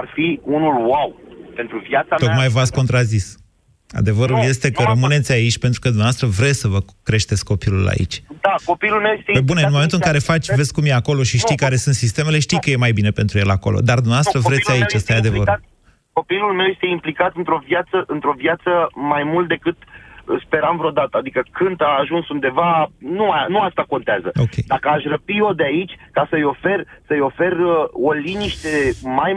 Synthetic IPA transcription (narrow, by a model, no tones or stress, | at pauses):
arfiunulwawpe̞nt̪ɾuvjat̪sat̪o̞k̪majvasko̞nt̪ɾazis | a̰d̪e̞vəɾulje̞st̪e̞kəɾəmɨne̞t̪sʲait͡ʃʲpent̪ɾukəd̪umneavast̪ɾəvɾe̞sʲsəvəkɾe̞ʃt̪et̪sʲko̞pilula̰ḭt͡ʃʲd̪ako̞pilulmewjest̪ebuneɨnmomenuɨŋkaɾe̞fat͡ʃʲvesʲkumjeako̞lo̞ʃiʃt̪ijkaɾe̞sunt̪sist̪e̞me̞le̞ʃt̪ijkəje̞majbine̞pe̞nt̪ɾuje̞lako̞̰lo̰d̪ard̪umneɐvast̪ɾəvɾet̪sʲait͡ʃast̪ajad̪evəɾu | ko̞pilulme̞wje̞st̪eimplikat̪ɨnt̪ɾo̞vjat̪səʔɨnt̪ɾo̞vjat̪səmajmult̪̚d̪e̞kɨt̪spe̞ɾamvɾeod̪at̪əad̪ikəkɨnd̪aːʒunsund̪e̞vanuanuast̪ako̞nt̪eazəo̞kʰʲejd̪akəaʃrəpio̞d̪eait͡ʃʲkasəjo̞fe̞rsəjo̞fe̞rəoliniʃt̪e̞maj